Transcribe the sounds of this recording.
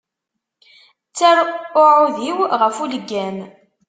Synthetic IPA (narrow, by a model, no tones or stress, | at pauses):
t͡sːæɾʊʕʊðiwʁəfuləɡːæn